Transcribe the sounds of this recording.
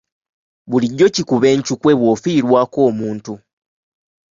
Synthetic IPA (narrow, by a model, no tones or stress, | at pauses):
βuliɟːocikuβe̞ːɲcukwe̞βwo̞fiːɾwaːko̞ːmuːntu